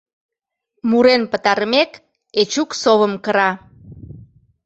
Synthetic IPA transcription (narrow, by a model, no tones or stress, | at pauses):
muɾenpət̪ɑɾəmek | et͡ɕuksoβəmkəɾɑ